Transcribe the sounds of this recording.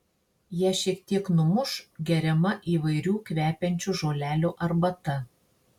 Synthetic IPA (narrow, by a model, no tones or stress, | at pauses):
jɛːʃʲiɛkt̪ʲiɛknʊmʊʃɡʲɛɾʲɛmɐʔiːʋɐɪɾʲuːkʋʲæːpʲɛnʲt͡ʃʲuʒoːlʲæːlʲuːʔɐɾbɐt̪ɐ